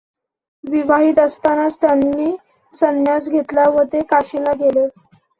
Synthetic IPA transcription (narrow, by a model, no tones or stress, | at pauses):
ʋiʋaɦiːt̪əst̪anast̪janːiː | sənjasɡʱet̪laʋət̪ekaɕilaɡele